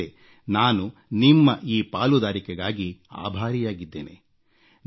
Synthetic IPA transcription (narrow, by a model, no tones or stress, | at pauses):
e | naːnunimːɐʔiːpaːlud̪aːɾikɛɡaːɡia̰ːbʱaːɾijaːɡid̪ːe̞ːnḛ